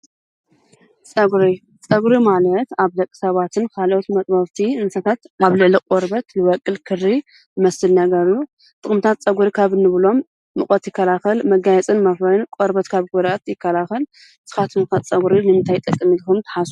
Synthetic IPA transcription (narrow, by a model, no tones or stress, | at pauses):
t͡sʼɐɡɾi | t͡sʼɐɡɾimalɐt̪aβd̪ɐkʼːɨ̥sɐβat̪ʰɨnkʰalʔot̪mɐt̪ʼbɐβt̪ʰiɨnsɐt̪ʰat̪aβlɨʕlikʼoɾbɐt̪lɨwɐkʼːɨlkʰɨri | ɨmɐsɨlnɐɡɐɾju | t̪ʼɨxʼmɨt̪ʰat̪t͡sʼɐɡuɾikʰaβɨnːɨβɨlo̞mː | ɨkʼɐt̪jɪkːɐlaxɐlmɐɡajɛt͡sʼɨnmɐfɾɐnkʼoɾbɐt̪kʰaβɡod̪at̪jɪkːɐlaxɐl | sɨ̥xat̪ʰɨmtat̪t͡sʼɐɡuɾinɨmɨnt̪ʰajt̪ʼɐkʼːɨmit̪kumt̪ʰɐ̥ħasu